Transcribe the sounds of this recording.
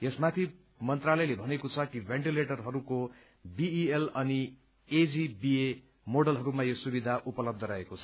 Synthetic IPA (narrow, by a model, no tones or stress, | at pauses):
esmat̪ʰi | mʌnt̪ralʌjlebʱʌnekot͡sʰʌkibʱeɳʈileʈʌrɦʌɾuko | biielʌni | ed͡zibie | moɽʌlɦʌɾumajosubid̪ʱaʔupʌlʌb̚d̪ʱʌɾʌɦekot͡sʰʌ